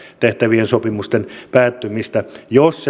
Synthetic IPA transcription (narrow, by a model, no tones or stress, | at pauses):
t̪eht̪æʋiensopimust̪enpæːt̪ːymist̪æjoss